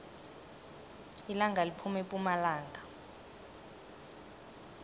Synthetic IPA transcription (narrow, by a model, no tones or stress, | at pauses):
ilaŋɡʱalipʰumɛpʼumalaːŋɡʱa